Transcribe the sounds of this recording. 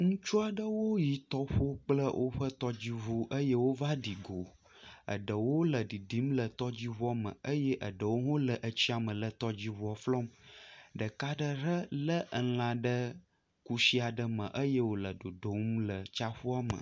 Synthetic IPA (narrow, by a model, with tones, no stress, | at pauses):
ŋũ˦t͡ʃu˦a˨ɖə˦wo˦ji˨t̪ɔ˦ɸo˦k͡plə˦wʔo˦ɸə˦t̪ɔ˦d͡ʑi˦vu˦ʔə˦je˦wo˦va˦ɖi˨ɡo˨ | ə̰˨ɖə˨wo˦lə˨ɖi˨ɖi˨˦mlə˨t̪ɔ˦d͡ʑi˦βɔ˦mə̰̃˨ə˦je˦ʔə˨ɖə˨wo˦ŋõ˦lə˨ʔə˨t͡ɕi˦a˨mə̃˨lə˨t̪ɔ˦d͡ʑi˦vu˨˦ɔ˨flɔ˦mɖə˨ka˦ɖə˦ɾə˦lə˦ʔə˨lã˨ɖə˦ | ku˦si˦a˨ɖə˦mə̰̃˨ʔə˦jə˦wo˨lə˨ɖo˨ɖo˨mlə˨t͡ʃa˦ɸu˦a˦mə̰̃˨